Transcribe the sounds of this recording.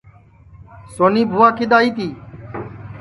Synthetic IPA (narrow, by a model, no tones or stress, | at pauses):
soːniːbʱuːaːkɪd̪aːiːt̪iː